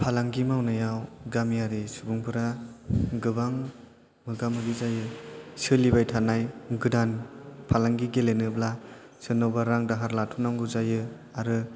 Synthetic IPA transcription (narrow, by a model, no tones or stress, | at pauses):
pʰalaŋɡimawnajawɡamijaɾisubuŋpʰɯɾa | ɡɯbaŋ | mɯɡamɯɡizajɯsɯlibajtʰanajɡɯdanpʰalaŋɡiɡelenɯbla | sɯnawbaɾaŋdaɦaɾlatʰunaŋɡuzajɯ | aɾɯ